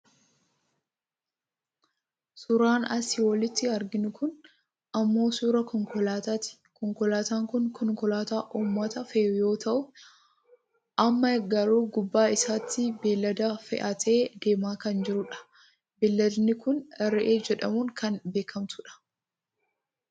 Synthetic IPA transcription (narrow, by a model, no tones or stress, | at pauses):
sʊɾaːnɐsɪwɔlɪt̪ːɪɐɾɡɪnʊkʊn | ɐmːo̞ːsuːɾɐkɔŋkɔlaːt̪aːt̪ɪ̥ | kɔŋkɔlaːt̪aːŋkʊnkɔŋkɔlaːt̪aːʔuːmːɐt̪ɐfeːjo̞ːt̪ɐʔʊ | ʔɐmːɐɡɐɾuːɡʊbːaːɪsaːt̪ːɪbeːlːɐd̪ɐfɛ̰ʔɐt̪ʰe̞ːd̪e̞ːmaːkɐnd͡ʒɪɾʊᶑɐ̥ | bɪlːɐd̪nɪkʊnɛɾːɛʔeːd͡ʒɛᶑɐmuːŋkɐnbe̞ːkʰɐmt̪ʊᶑɐ̥